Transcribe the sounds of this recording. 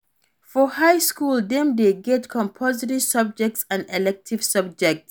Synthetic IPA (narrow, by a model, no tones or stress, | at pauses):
fɔhajskuld̪ɛ̃md̪eɡɛtkʰɔ̃mpʰɔziɾisʌb̚d͡ʒɛk̚tsãndɛlɛk̚tʰiv̥sʌb̚d͡ʒɛk̚ts